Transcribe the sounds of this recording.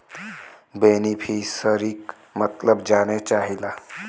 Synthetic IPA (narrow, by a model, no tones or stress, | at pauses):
beːnipʰiːsəɾik | mət̪ləbd͡ʒaːnet͡ʃaːɦilaː